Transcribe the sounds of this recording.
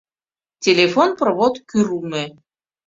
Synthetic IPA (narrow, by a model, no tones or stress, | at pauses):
tʲelʲefonprβot̪kyɾume